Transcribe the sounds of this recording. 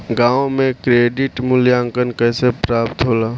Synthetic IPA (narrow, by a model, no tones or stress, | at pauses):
ɡãːõmẽkɾeːɖɪʈmʊljaːŋkənkɛːsepɾaːpt̪ɦoːlaː